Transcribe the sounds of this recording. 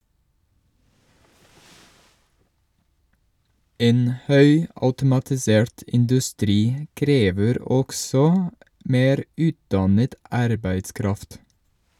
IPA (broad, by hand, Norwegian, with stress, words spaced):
ˈeːn ˈhœʏɑʉtʊmɑtɪˌseːɹʈ ʔɪndʉˈstɾiː ə ˈkɾeːʋəɾ ˈɔksɔ ˈmeːɾ ˈʉːtdɑnət ˈʔɑɾbæɪtˌskɾɑft